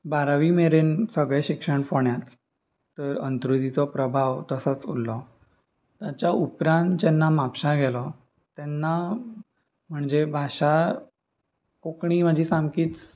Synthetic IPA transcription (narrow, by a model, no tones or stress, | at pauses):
baɾaʋimeɾensəɡɭɛɕikʂəɳfoɳjat̪ː | əɾə̰nt̪ɾud̪it͡sɔpɾəbʱaʋt̪əsət͡sulːɔ | t̪jat͡ɕjaupɾãnt̪̚d͡ʑɛnːamapɕaɡʱɛlɔ | t̪ɛnːa | m̤əɳd͡zebʱaɕa | kokɳiːməd͡ʑʱiːsamkiːt͡s